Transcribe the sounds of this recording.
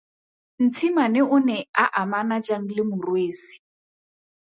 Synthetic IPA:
n̩t͡sʰimanɪʊnɛaʔamanad͡ʒaŋ̩lɪmʊrweːsi̥

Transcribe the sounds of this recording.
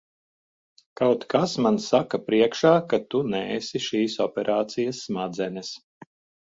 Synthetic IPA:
kawt̪kasmansakɐpɾiɛkʃaːkat̪unɛːsiʃiːsɔpʲɛɾʔaːt̪sijɐsːmad̪zɛnʲɛs

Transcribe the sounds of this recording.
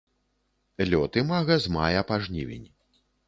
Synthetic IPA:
lʲɔt̪ɨmaɣɐzma̰jɐpaʐnʲivʲḭnʲ

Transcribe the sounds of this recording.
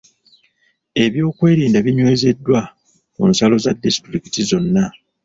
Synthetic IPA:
e̞βjo̞ːkwe̞ːɾiːndaβiɲwe̞ːze̞dːwa | o̰nsalo̞zadːisi̥tɾiki̥tizo̞nːa

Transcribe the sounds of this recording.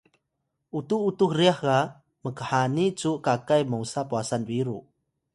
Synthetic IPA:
ʔutuːtukriaha | məkəħanit͡suʔkakajmowsapuasanviɾu

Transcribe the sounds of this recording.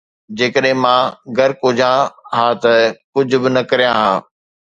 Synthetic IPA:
d͡ʑeːkəɗɦɪ̃mãːɡɐɾkoːd͡ʑãɦaːt̪ɐkʊd͡ʑʱʊ̆bɪnɐkɐɾijãɦãː

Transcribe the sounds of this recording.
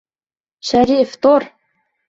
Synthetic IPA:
ʃæɾift̪ˤoɾ

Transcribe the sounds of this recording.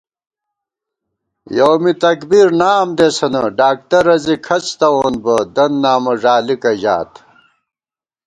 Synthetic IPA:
jowmit̪ɐkbiɾnaːmd̪esɐnɐɖaːk̚t̪ɐɾɐzikʰɐt͡st̪ɐwonbɐd̪ɐnːaːmɐʐaːlikɐʑa̰ːt̪

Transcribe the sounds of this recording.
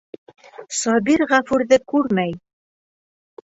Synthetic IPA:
sɒbiɾʁæfʉɾðɘkʉɾmæj

